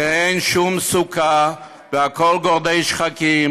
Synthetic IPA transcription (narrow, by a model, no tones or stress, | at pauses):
eɪnʃumsuka | vəakɔlɡɔʁd̪eʃχakim